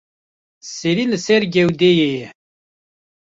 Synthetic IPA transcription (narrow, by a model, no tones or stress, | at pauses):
sːiɾiləsæɾɡæwd̪æji